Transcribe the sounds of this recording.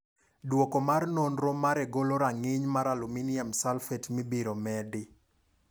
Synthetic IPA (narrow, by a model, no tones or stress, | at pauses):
dwokomarnonɾomaɾɛɡoloɾaŋɪɲmaɾaluminiamsalfɛtmɪbiɾomɛdɪ